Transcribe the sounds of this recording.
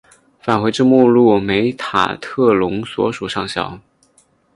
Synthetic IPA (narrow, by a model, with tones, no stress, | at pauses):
fa˨˩nxwe˧˥ɪʈ͡ʂɻ̩˥˧mu˥˧lu˥˩me˧˥ɪt̪ʰa̰˨˩t̪ʰɤ˥˩lʊ˧˥ŋswɔ̰˧˥ʂu˨˩ʂɑ˥˩ŋɕjɑ̰˨˩˦ʊ